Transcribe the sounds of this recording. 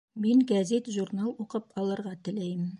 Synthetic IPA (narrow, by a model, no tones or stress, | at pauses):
miŋɡæzet̪ʒurnalˠuqɤpqɒlˠɤ̆ɾʁɑt̪ɘ̆læjm